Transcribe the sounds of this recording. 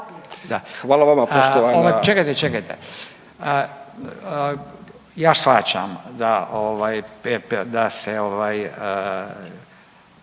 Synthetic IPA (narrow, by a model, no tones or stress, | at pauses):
d̪axʋaːlaʋamapoʃoaoʋajt͡ʃekajt̪et͡ʃekajt̪ḛ | ə | jaːsxat͡ʃa̰md̪aʔoʋaːjepd̪aseoʋaːjə